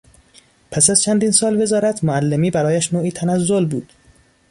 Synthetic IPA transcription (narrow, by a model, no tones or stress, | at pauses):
pʰæsæz̥t͡ʃʰænd̪iːnsɒːlve̞zɒːɾæt̪ʰmoælːemiːbæɾɒːjæʃnoːʔiːt̪ʰænæzːolbuːd̪̥